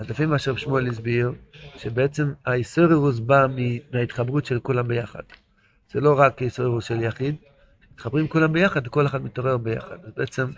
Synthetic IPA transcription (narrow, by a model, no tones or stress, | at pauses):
azdafimaʃeʁabʃmoelis̬biʁʃebeet͡se̞maisoʁeʁuz̬bamiait̪χabʁutʃelkulambejaχa̰d̪̥ | z̥elo̞ʁakisoʁeʁusʃeljaχid̪ | ʃemit̪χabʁimkulambejaχad̪veko̞leχad̪mit̪o̞ʁeʁbeja̰χa̰d̪azbeʔet͡sem